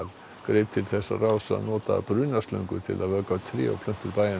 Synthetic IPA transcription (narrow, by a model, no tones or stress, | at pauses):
l | ɡ̥ɾɪːp̚t̪ʰɪlθɛsːa̰raːwsa̰nɔːt̪abɾʏːnaslœ̰ŋkʏɾt̪ʰɪ̰lʔaðvœːkat̪ʰɾɪ̰ːɔ̰pʰlʏn̥t̪ʏɾbaja